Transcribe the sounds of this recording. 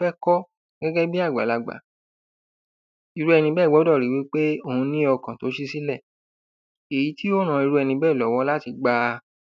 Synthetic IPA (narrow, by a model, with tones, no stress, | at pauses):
fɛ˦kɔ˦ | ɡ̥ɛ˦ɡɛ˦bi˦a˦˨ɡ͡ba̰˨la˧ɡ͡ba̰˨˦ | i˧ɾu˧˦ɛ˧nĩ˧bɛː˦˨ɔ˨˦dɔ˦˨ɾi˨wi˨˦k͡pe˦o˦˨hũ˧nĩ˦ɔ˧kã˨to˨˦ʃi˦si˦lɛ˦˨ | e˨ji˨˦ti˦o˦nã˨˧i˧ɾu˧˦ɛ˧nĩ˧bɛː˦˨lɔ˨˦wɔ̃˧˦la˦ti˧ɡ͡ba˧